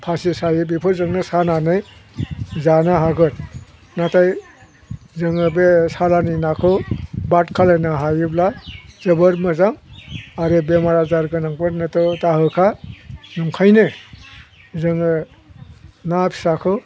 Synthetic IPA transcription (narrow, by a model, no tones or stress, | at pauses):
pʰasisajɯbipʰɯzɯŋnɯsananɯj | zanaɦaɡɯt̚ | nataj | zɯŋɯbesalanɯjnakʰɯbatkʰalajnaɦajɯblazɯbɯɾmɯzaŋaɾebemaɾazaɾɡɯnaŋpɯɾnɯtɔtaɦɯkʰanuŋkʰajnɯ | zɯŋɯ | napʰi̥sakʰɯ